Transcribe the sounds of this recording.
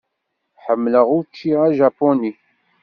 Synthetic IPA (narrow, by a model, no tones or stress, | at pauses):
ħəmːləʁʊɾt͡ʃːiʁæʒapːoni